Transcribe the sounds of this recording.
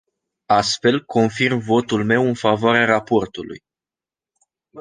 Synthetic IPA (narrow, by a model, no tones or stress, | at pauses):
ast̪fe̞lkʰo̞nfirmvo̞t̪ulme̞wɨnfavoaɾeaɾapo̞rt̪ulṵj